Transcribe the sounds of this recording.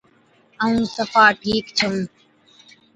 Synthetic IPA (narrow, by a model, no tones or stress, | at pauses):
əũːsəfaːʈʰiːkt͡ʃʰəũː